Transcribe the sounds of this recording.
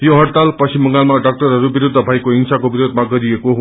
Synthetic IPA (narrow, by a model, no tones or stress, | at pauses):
joɦʌɽt̪alpʌsimːʌŋɡalmaɖak̚ʈʌɾɦʌɾubiɾud̪ʱːʌbʱajkoɦiŋsakobiɾod̪ʱmaɡʌɾiekoɦ